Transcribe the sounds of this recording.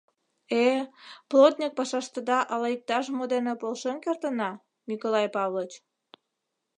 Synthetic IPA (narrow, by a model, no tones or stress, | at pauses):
eplot̪nʲik̚pɑʃɑʃt̪əd̪ɑʔɑlɑik̚t̪ɑʃ̬mod̪enepolʃenkert̪ənɑ | mʲikolɑjpɑβlˠot͡ɕ